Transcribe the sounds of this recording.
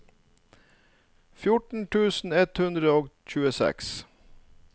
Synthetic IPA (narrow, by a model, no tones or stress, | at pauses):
fjʊʈɳ̩ʈʰʉːsn̩ɛt̪hʉnd̪ɾəoːɡc͡çʉːəsɛ̰ks